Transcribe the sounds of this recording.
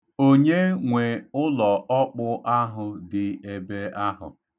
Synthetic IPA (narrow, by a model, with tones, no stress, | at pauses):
o˦ɲe˦ŋʷe˨ʊ˦lɔ˨ʔɔ˦k͡pʊ˦ʔa˦ɦʊ˨dɪ˨e˨be˦a˦ɦʊ̰˨